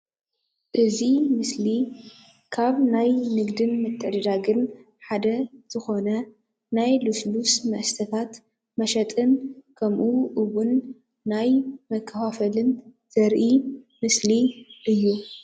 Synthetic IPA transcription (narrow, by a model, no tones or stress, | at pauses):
ʔɨzimɨsli | kʰaβnajnɨɡd̪ɨnmɐt̪ʰʼːɐd̪d̪aɡɨn | ħad̪ɐz̥ɨxo̞nɐ | najluslusmɐʔst̪ʰɐt̪ʰat̪ | mɐʃɐt̪ʼɨnkʰɐmʔuʔɨβunː | ajmɐkʰːɐfafɐlɨn | z̥ɐɾʔi | mɨsliʔɨjːu